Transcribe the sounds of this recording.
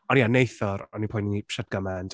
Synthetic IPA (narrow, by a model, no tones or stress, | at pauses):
ɔnianejθɔɾɔnipʰʊjnŋiʃɛd̚ɡəmɛnd̥